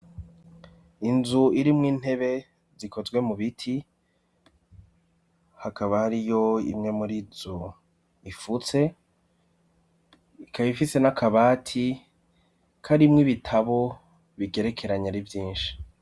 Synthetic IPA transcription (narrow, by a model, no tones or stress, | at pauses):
inzuiɾimŋiːn̥he̞βe̞ | ziko̞zɡwe̞muβitʰi | hakaβahaɾijo̞ḭmŋe̞muɾizo | ifut͡se̞ | ikaβifise̞nakʰaβaːtʰi | kʰaɾimŋiβitʰaβo̞ | βiɡe̞ɾe̞kʰe̞ɾaɲaɾivjiːnʃi̥